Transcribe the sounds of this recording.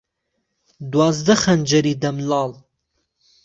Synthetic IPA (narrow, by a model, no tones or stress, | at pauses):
d̪wɑːzd̪əχand͡ʒɐɾid̪ɐmlɑːl